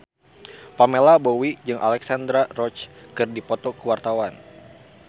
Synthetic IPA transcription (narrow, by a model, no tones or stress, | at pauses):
pamelabowid͡ʒɨŋʔa̰lɛksand̪ɾarɔt͡ʃkɨrdipɔt̪ɔkəwart̪awan